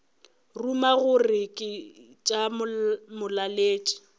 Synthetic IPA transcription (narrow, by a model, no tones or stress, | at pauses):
rumaɣʊrɪkʼɪ | t͡ʃʼamʊlaleːt͡ʃʼɪ̥